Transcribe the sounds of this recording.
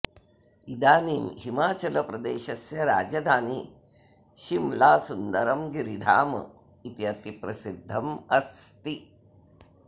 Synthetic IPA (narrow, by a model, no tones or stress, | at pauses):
id̪aːniːmɦimaːt͡ʃɐlɐpɾɐd̪eːʃɐsjɐɾa̰ːd͡ʒɐd̪ʱaːni | ʃimlaːsund̪ɐɾɐmɡiɾid̪ʱaːmɐ̰ | it̪iɐt̪ipɾɐsid̪ʱːɐmɐst̪i